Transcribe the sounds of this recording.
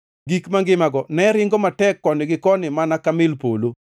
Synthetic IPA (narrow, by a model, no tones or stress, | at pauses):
ɡikmaŋɡɪmaɡɔnɛɾɪŋɡɔmatɛkːɔnɪɡɪkɔnɪmanakamɪlpolo